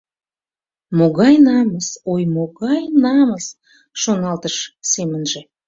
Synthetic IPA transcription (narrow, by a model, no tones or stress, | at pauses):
moɣɑjnɑməsojmoɣɑjnɑməs | ʃonɑlt̪əʃsemənʒe